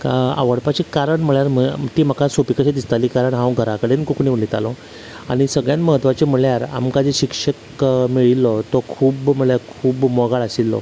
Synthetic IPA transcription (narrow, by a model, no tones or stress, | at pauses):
kaa̰ʋəɽpat͡ɕekaɾəɳm̤əɭjaɾm̤ət̪iːm̤əkasopikəɕed̪ist̪alikaɾəɳɦãwɡʱəɾakəɽenkokuniʋlit̪a̰lɔ | aɽ̃isəɡɭjanməɦət̪ʋat͡ɕem̤əɭjaɾa̰mkad͡zeɕikʂək | miɭilːɔt̪ɔkʰuːbm̤əɭjaɾkʰuːbmɔɡaɭəsilːɔ̰